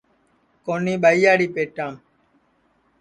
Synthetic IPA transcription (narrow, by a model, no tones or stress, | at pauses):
koːnĩːɓaijaːɽiːpeːʈaːm